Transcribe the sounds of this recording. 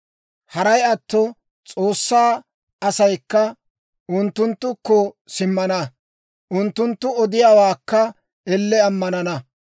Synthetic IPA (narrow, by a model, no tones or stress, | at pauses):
hɐɾɐjɐt̪ːɔ | t͡sʼo̞ːsːaː | ɐsɐjkːɐ | ʊnt̪ːʊnt̪ːʊkːɔ | sɪmːɐnɐ | ʔʊnt̪ːʊnt̪ːʊɔd̪ɪjaːwaːkːɐ | ɛlːɛɐmːɐnɐnɐ